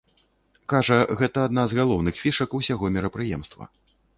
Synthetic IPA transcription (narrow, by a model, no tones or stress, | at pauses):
kaʐɐɣɛt̪ɐːd̪nazɣalˠɔwnɨxfʲiʂɐkusʲaɣɔmʲɛɾɐpɾɨjɛmst̪vɐ̰